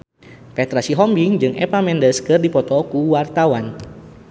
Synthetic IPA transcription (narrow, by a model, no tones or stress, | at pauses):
pɛt̪ɾasiɦɔmbiŋd͡ʒɨŋɛ̰pamɛndəskɨrdipɔt̪ɔkuwart̪awan